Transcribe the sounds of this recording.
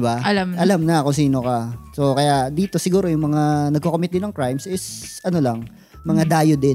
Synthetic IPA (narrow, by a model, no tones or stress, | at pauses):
baʔɐlamʔɐlamnɐkʊŋsiːno̞kaso̞kɐjad̪iːt̪o̞sɪɡuːɾo̞jʊŋmɐŋanɐɡ̚kokomɪt̪̚d̪ɪnɐŋkɹajmsʔɪsʔɐno̞lɐŋ | mɐŋad̪aːjod̪ɪ